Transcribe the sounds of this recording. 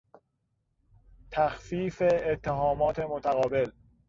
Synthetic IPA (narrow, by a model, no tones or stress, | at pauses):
t̪ʰæxfiːfeːt̪ʰːeɦɒːmɒːt̪ʰemot̪ʰæɣɒːbe̞l